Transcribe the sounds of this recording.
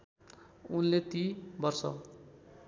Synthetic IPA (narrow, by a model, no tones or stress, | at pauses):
unlet̪ibʌrsʌ̰